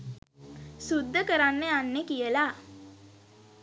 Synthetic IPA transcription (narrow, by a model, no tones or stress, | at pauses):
sud̪ːəkəɾanːeanːekijəla